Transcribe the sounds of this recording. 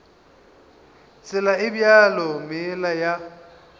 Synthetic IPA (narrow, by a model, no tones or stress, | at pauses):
sɪlaɪbjalɔmɪlaja